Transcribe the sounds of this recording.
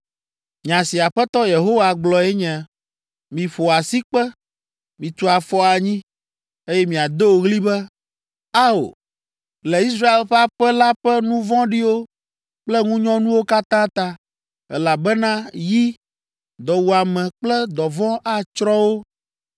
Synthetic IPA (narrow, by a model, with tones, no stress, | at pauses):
mĩ˨ã˨si˨a˨ɸɛ˦t̪ɔ˦je˨ɦo˦wa˨ɡ͡blɔ˨ɛ˦ɲɛ̃˨ | mĩ˨ɸo˨a˨si˦k͡pɛ˦ | mĩ˨t̪u˦a˨fɔ˦a˨ɲĩ˦ | e˦jɛ˦mĩ˨a˨d̪e˦wo˨ɣli˦bɛ˦ | a˦o̰˨ | lɛ˨i˦s̬ɾa˦e˨lɸɛ˦a˦ɸɛ˦la˦ɸɛ˦nũ˦vɔ̃˦ɖi˦wo˦ | k͡plɛ˦ŋũ˦ɲɔ̃˦nũ˦wo˦ka˦t̪ã˦t̪a˦ | ɛ̰˦la˨bɛ˦nã˦ji˦ | d̪ɔ˨wu˨a˨mɛ̃˨k͡plɛ˦d̪ɔ˨vɔ̃˦ʔa˦t͡ʃɾɔ˦wo˦